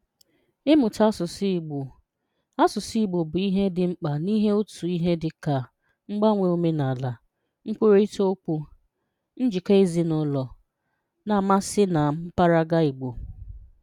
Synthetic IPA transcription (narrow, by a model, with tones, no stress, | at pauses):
ɪ˦mʊ˨ta˦sʊ˨sɡ͡b | a˦sʊ˨si˦i˦˨ɡ͡bo˨bʊ˨i˦ɦe˦dɪ˨ŋ͡m̩˦k͡pa˨ni˦ɦe˦o˦tu˨i˦ɦe˦dɪ˨ka˨ | ŋ͡m̩˦ɡ͡ba˦ŋʷe˨o˦me˦na˨la˨ | ŋ͡m̩˦k͡pʷu˦ɾe˦i˦to˦o˦k͡pu˦ | n̩˦d͡ʒi˨ke˦e˦zi˦nʊ˦lɔ˨ | na˨ma˦sɪ˦na˨m̩˦pa˦ɾa˦ɡa˦i˨ɡ͡bo˨